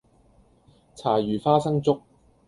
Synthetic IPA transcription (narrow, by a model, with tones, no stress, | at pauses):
t͡sʰaː˨˩jyː˨˩faː˥sɐ˥ŋt͡sʊ˥k̚